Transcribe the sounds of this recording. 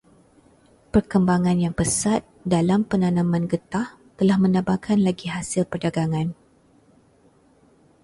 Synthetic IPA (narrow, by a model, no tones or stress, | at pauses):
pərkəmbaŋãnjaŋpəsat̪̚dalampənãnãmãnɡət̪ah | t̪əlahmə̃nabakʰanlaɡiɦasɪlpərdaɡaŋãn